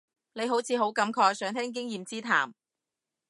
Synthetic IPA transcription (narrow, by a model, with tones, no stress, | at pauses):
ne˨˧jɦo˨˥wt͡sʰiː˨˧ɦo˨˥wkɐ˨˧˥mkʰɔː˧k̚sœː˨˧ŋt̪ʰɛː˥ŋk̬ɪ˥ŋjiː˨˧mt͡siː˥t̪ʰa̰ː˨˩m